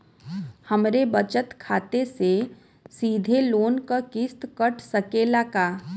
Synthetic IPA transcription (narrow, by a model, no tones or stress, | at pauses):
həmɾebət͡ʃət̪kʰaːt̪ese | siːd̪ʱeloːnkakɪst̪kəʈʰsəkeːlakaː